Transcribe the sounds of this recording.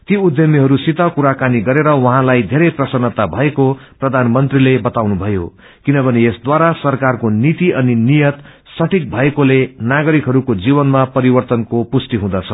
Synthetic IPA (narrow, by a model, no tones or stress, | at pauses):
t̪iud̪jʌmiɦʌɾusit̪ʌkuɾakaniɡʌɾeɾʌwʌɦãlajd̪ʱeɾʌjprʌsʌnːʌt̪abʱʌekoprʌd̪ʱanmʌnt̪rilebʌt̪awnubʱʌjo̰ | kinʌbʱʌneesd̪waɾasʌrkarkonit̪iʔʌninijʌt̪ | sʌʈʰik̚bʱʌekolenaɡʌɾikɦʌɾukod͡zibʌnmapʌɾibʌrt̪ʌnkopusʈiɦũd̪ʌt͡sʰʌ